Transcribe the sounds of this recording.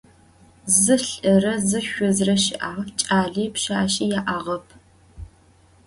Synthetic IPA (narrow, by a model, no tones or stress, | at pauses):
zɨɬɐrɐzɨʃʷʊzrɐʃɪʔaːʁt͡ʃʼaːɮiːpʃaːɕijaːʔaːʁɐpʰ